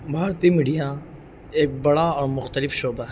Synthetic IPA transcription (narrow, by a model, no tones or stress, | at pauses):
bʱaːɾt̪imiːɖija | eːk̚bɐɽaɔːɾmʊxt̪əlɪfʃoːba